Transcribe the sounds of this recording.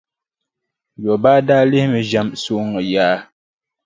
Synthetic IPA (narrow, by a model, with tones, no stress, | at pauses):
jɔ˨ba˦da˦le˦hmə˨d͡ʒa˦mso˦ŋə˨jaː˦